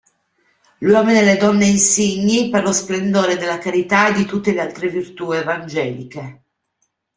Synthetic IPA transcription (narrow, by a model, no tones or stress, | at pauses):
lwɔːmineled̪ɔnːeinsiɲːiperlosplend̪oːɾed̪elːakaɾit̪aed̪it̪ut̪ːelealt̪ɾevirt̪uːevand͡ʒɛːlike